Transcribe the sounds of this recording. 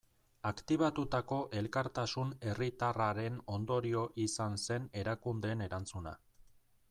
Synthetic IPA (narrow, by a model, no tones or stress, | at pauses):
akt̪iβ̞at̪ut̪ako̞ʔe̞lkaɾt̪asune̞rit̪araɾe̞no̞nd̪o̞ɾio̞ʔisanse̞ne̞ɾakund̪eːne̞ɾant͡suna̰